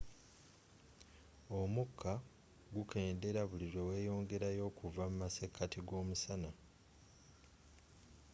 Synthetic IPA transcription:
o̞mukʰːa | ɡuke̞ːnde̞ɾaβuliɾwe̞we̞ːjo̞ːŋɡe̞ɾajo̞ːkuvamumase̞kʰːatiɡo̞ːmusana

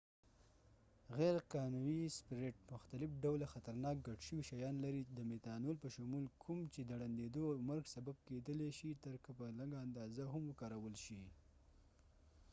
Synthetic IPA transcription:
ɣɛɾqɑnuwispɪɾeʈ̚mʊxt̪alɪfɖawlaxat̪aɾnɑk̚ɡaʈʃəwiʃajɑnlaɾid̪əmet̪ɑnolpəʃʊmulkʰumt͡ʃed̪əɽand̪ed̪omaɾɡsabab̚ked̪əleʃit̪əɾkapəlaŋɡaːnd̪ɑzaɦʊmwəkɑɾawəlʃi

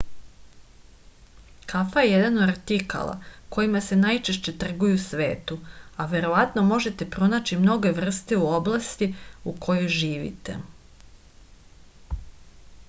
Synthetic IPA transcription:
kafajejed̪anod̪aɾt̪ika̰lˠa̰ko̞jimase̞najt͡ʃe̞ʃt͡ɕe̞t̪r̩ɡujusʋe̞̰ːt̪uaʋe̞ɾo̞ʋat̪no̞mo̞ʒe̞t̪e̞pɾo̞nat͡ɕimno̞ɡe̞ʋr̩st̪euoblˠast̪iukʰo̞jojʒiːʋḭt̪e̞̰

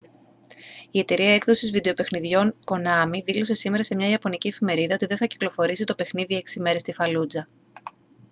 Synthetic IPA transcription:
ie̞t̪e̞ɾiɐe̞kðo̞sizvid̪e̞o̞pe̞xniðʝo̞ŋko̞nɐmiðilo̞se̞sime̞ɾɐse̞mɲɐiɐpo̞niciefime̞ɾiðɐo̞t̪iðe̞nθɐci̥klo̞fo̞ɾis̬it̪o̞pe̞xniðie̞ksime̞ɾe̞st̪ifɐlud͡zɐ

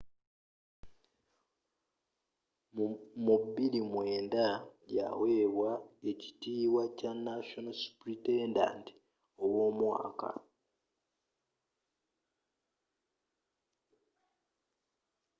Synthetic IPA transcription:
mubilimweːndaja̰weːβwae̞ci̥tiːwacanaʃonasu̥pɾitenda̰nt | owo̞ːmwa̰ːka̰

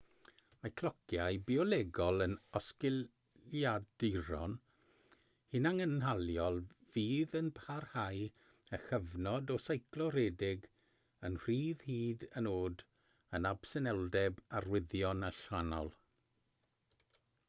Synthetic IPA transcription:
makʰlˠɔkʰjajbiɔlˠɛɡɔlˠənɔskɪl | jadɪɾɔ̰n | hɪnaŋənɦalˠjɔlˠviːðənpʰarhaj | əxəvnɔdɔsajkʰlˠɔɾɛːdɪɡ | ənr̥iːðhiːdənoːd | ənab̥sənɛlˠdɛbarwɪðjɔnaɬanɔ̰lˠ

